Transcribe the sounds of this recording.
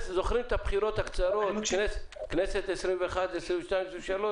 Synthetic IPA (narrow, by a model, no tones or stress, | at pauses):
zo̞χɾimet̪abχiɾo̞t̪hakt͡saɾo̞t̪kneskneset̪esɾimveeχad̪esɾimveʃt̪ajmseʃalo